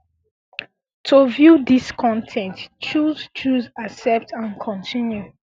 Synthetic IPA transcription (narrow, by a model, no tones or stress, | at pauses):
tʰovjudiskʰɔ̃ntʰɛ̃ntt͡ʃuzt͡ʃuzasɛp̚tʰãnkʰɔ̃ntʰĩnju